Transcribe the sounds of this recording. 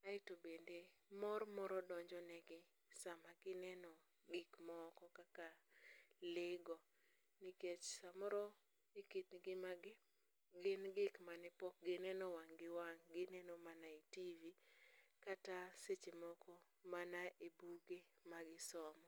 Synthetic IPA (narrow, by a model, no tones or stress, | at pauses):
aɪtobendemɔɾmɔɾɔdɔɲd͡ʒɔnɛɡɪ | samaɡɪnɛnɔ | ɡɪkmaɔkɔkaka | leɡɔ | niket͡ʃsamɔɾɔ | ekit̪nɡɪmaɡɪ | ɡɪnɡɪkmanɛpɔk̚ɡɪnɛnɔwaŋɡɪwaŋɡɪnɛnɔmanaitivikataset͡ʃemɔkʰo | manaʔebuɡemaɡɪsɔmɔ